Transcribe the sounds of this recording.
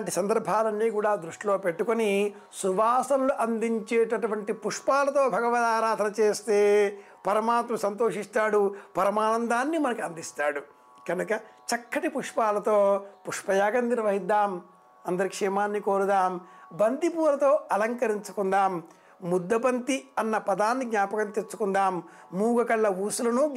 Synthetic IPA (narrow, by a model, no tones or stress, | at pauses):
ɳʈisɐnd̪ɐɾbʱaːlɐnːiːkuːɽaːd̪ɾuʂʈilo̞ːpe̞ʈːukoni | suʋaːsɐnluʔɐnd̪iɲt͡ʃeːʈɐʈuʋɐɳʈipuʂpaːlɐt̪o̞ːbʱɐɡɐʋɐd̪aːɾaːd̪ʱɐnɐt͡ʃeːst̪eː | pɐɾɐmaːt̪mɐsɐnt̪oːʂist̪aːɽupɐɾɐmaːnɐnd̪aːnːimɐnɐkuɐnd̪ist̪aːɽu | kɐnukɐt͡ʃɐkːɐʈipuʂpaːlɐt̪oːpuʂpɐjaːɡɐnːiɾʋɐɦid̪ːaːm | ɐnd̪ɐɾikʂɛmaːnːikoːɾud̪aːmbɐnd̪ipuːlɐt̪o̞ːɐlɐŋkɐɾiɲt͡ʃu̥kunɖ̪aːmː | ud̪ːɐbɐnt̪iɐnːɐpɐd̪aːnːiɡnaːpɐkɐnt̪et͡ʃːu̥kund̪aːmː | uːɡɐkɐɭːɐʋuːsulɐnu